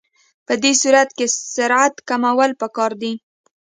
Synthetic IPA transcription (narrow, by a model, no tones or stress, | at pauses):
pəd̪esuɾat̪kesaɾat̪kamawəlpəkɑɾd̪i